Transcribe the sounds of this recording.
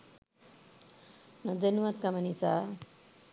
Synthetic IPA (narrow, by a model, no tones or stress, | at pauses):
nɐd̪ɐnuʋɐt̪̚kɐmɐnisa